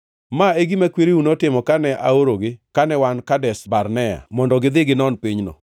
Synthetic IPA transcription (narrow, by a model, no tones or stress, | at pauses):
maeɡimakweɾiunotɪmɔkanɛʔa̰oɾoɡɪkanɛwankadɛsbarnɛa̰mɔndɔɡɪd̪ɪɡɪnɔnpiɲnɔ̰